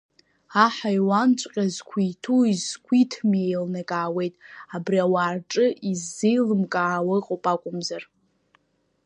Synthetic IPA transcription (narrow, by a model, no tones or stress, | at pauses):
aħajwant͡ʃʷʼqʲʼazkʷʰijtʰuizkʷʰitʰmejlnakʼaːwe̞jtʼabriawaːrʈ͡ʂʼɨʔizːijlɨmkʼaːwaqʼopʼakʷʼʊmzar